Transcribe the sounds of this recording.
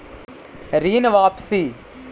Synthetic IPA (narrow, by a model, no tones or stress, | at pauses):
ɾiːnɐʋaːpsi